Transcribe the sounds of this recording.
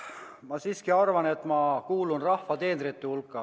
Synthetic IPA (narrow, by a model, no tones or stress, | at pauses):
mɑsiːskiɑrvɑne̞t̪ːˑmɑkuːlunrɑhfɑt̪e̞ːnd̪rit̪ːehulkːˑɑ